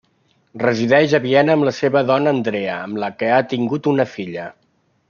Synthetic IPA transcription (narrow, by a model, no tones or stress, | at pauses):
rəziðɛʒəβiɛnəːmləseβəðɔnəːnd̪ɾɛəəmləkəat̪iŋɡut̪unəfiʎə